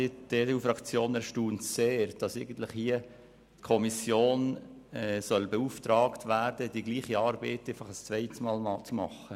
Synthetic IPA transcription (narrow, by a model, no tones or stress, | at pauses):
id̥eːdeuːfɾɑkt͡sjoːnæɾʃtuːntseːɾd̥ɑsɛɪɡən̩t̪lɪχhiə | tkʰɔmisjoːnɛsœlbeuftɾɑːktʋæɾdədiɡliːχiɑːɾbɛɪtːɛɪfɑχəst͡sʋɛɪtəsmɑːlmɑt͡sumɑ̰χə